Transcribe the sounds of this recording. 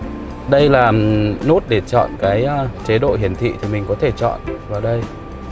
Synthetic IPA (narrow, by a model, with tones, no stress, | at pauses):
ɗə˧jlaː˨˩no˦˥t̚ɗe˧˩t͡ɕɔ̰˧˨nkaː˨˦jt͡ɕe˨˦ɗo̰˧˨hi˨˩ənt̪ʰḭ˧˨t̪ʰi˨˩mï˨˩ŋ̟kɔ˨˦t̪ʰe˧˩t͡ɕɔ̰˧˨nvaː˨˩ɗə˧j